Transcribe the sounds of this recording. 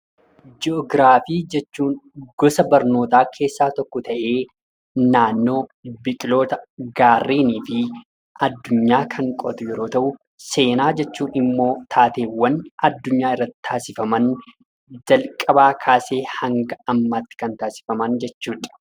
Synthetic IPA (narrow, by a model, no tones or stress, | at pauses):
d͡ʒɪɔɡɾaːfiːd͡ʒɛt͡ʃːuːnɡɔsɐbɐɾno̞ːt̪aːkʰe̞ːsːaːt̪ɔkːɔt̪ʰɐʔe̞ː | naːnːo̞ːbɪkʼɪlo̞ːt̪ɐɡaːrːeːniːfɪ | ʔɐd̪ːʊɲːaːkʰɐŋkʼɔ̰t̪ʊjɛɾo̞ːt̪ɐʔʊ | se̞ːnaːd͡ʒɛt͡ʃːuːnɪmːo̞ːt̪ʰaːt̪e̞ːwɐnɐd̪ːʊɲːaːɪrːɐt̪ːɪ̥t̪ʰaːsɪfɐmɐn | d͡ʒɐlkʼɐbaːkʰaːse̞ːhɐŋɡɐɐmːaːt̪ːɪ̥kɐnt̪aːsɪ̥fɐmɐnd͡ʒɛt͡ʃːuːᶑ